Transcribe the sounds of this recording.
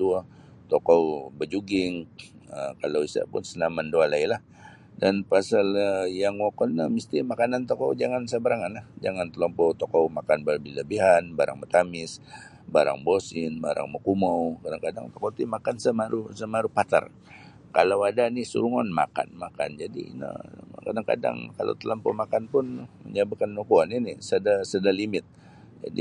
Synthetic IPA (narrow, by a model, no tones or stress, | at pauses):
t̪ua | t̪ɔkobəd͡ʒuɡɪŋ | əkalawisa̰pʊ̰nsənamandoalailah | danpasaljaŋwokɔnnamist̪imakanant̪ɔkɔwd͡ʒaŋansəbəɾaŋanlahd͡ʒaŋant̪əlɔmpɔwt̪ɔkɔwmakanbalbiləbiɦanbaɾa̰ŋmət̪amɪs | baɾa̰ŋbosɪnbaɾʔa̰ŋmokumowkadaŋkada̰ŋt̪okot̪imakansəmaɾusəmaɾupat̪a̰r | kalawadanisṵɾuŋanma̰ka̰nmaka̰nd͡ʒadḭnə̰kadaŋka̰da̰ŋkala̰wt̪ələmpɔ̰makanpʊnɲabəkanmokuaninisədasədalimɪt̪̚ | d͡ʒa̰dḭ